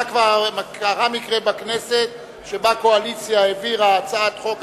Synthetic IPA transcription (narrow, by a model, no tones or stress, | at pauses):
kvamakaʁamikʁebakneset̪ | ʃebakoalit͡sjaeviʁaːt͡sat̪χok